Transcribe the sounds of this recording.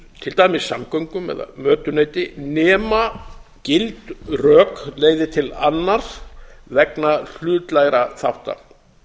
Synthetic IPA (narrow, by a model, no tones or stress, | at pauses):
t̪ʰɪlt̪aːjmɪsːamkœɥŋkʏmɛ̰ða̰mœːt̪ʏneːjt̪ɪnɛːmacɪlt̪rœːkleːjɣðɪt̪ʰɪlanːaɾ̥vɛknal̥ʏːt̪lajɾaθawht̪a̰